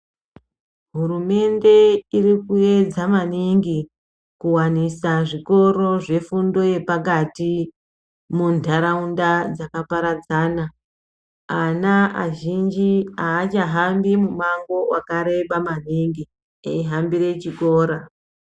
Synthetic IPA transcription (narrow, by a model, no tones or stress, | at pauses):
ɦuɾume̞nde̞irikue̞d͡zamaniŋɡi | kuwanisaʐiko̞ɾo̞ʐe̞fundo̞je̞pak̬ati | mundʱaɾaundad͡zakapaɾad͡zaːna | anaa̰ʒind͡ʒiaːt͡ʃaɦambimumaŋɡo̞wakaɾe̞ɓamaniŋɡi | eiɦambiɾe̞t͡ʃikoːɾa